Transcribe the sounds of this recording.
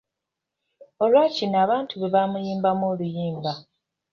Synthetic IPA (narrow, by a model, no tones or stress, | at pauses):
o̞lwaːcinaːβaːntuβeβaːmujiːmbamoːlujiːmba